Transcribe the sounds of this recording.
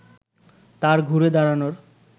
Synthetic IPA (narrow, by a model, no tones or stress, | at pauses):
t̪aɾɡʱuɾed̪aɾanoɾ